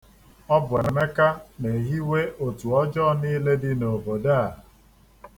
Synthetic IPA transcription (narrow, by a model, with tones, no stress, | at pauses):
ɔ˦be˨e˨me˦ka˦ne˨ɦi˦we˦o˨tu˨ɔ˦d͡ʒɔː˦niː˦le˦dɪ˦no˨bo˨daː˦˨